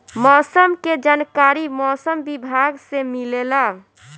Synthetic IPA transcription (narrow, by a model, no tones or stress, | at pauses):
mɔːsəmked͡ʒankaɾimɔsəmbibʱaɡsemilela